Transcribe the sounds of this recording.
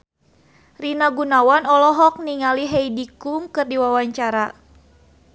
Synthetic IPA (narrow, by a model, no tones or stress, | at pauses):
rinaɡunawanɔlɔɦɔk̚niŋaliɦɛidikuŋkɨrdiwawaɲt͡ʃaɾa